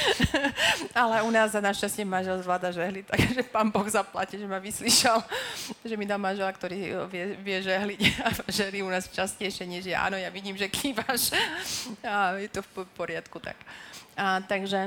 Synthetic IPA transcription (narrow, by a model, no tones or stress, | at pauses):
alɛunaːzzanaʃcascɪɛmanʒɛlzʋlaːd̪aʒɛɦlit̪aɡʒɛpaːnbɔɣzapla̰ciʒɛmaʋisliʃɛlʒɛmid̪almanʒɛlakt̪ɔɾiːʋɪɛʋɪɛʒɛɦliaʒɛɦliunaːsft͡ʃascɛjʃɪɛɲɛʒjɛʔa̰ːnɔjaʋiɟiːmʒɛkʰiːʋaʃ | ajɛt̪ɔfpɔɾɪat̪kut̪a̰kat̪aɡʒɛ